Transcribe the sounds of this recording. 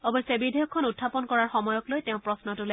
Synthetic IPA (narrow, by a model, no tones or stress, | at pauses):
ɔbɔjsɛbidʱejɔkʰːɔnutʰːapɔnkɔɹaɹxɔmɔjɔklojtɛʊ̃pɹɔsnɔtʊla